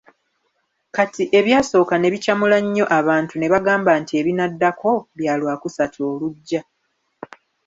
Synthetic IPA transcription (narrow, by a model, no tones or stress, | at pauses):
katiʔe̞βjaːso̞ːkane̞βicamulaɲːo̞ʔaβaːntune̞βaɡaːmbantie̞βinadːako̞βjaːlwaːkusatʰo̞ːluɟːa